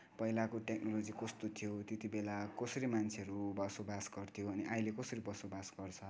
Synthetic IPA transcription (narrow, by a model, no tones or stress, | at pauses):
pʌɦilakoʈeknolod͡zikʌst̪ot̪ʰijot̪et̪ibelakʌsʌɾimant͡sʰeʌɾubʌsobasɡʌrt̪ʰijoʌniʔajlekʌsʌɾibʌsobasɡʌrt͡sʰʌ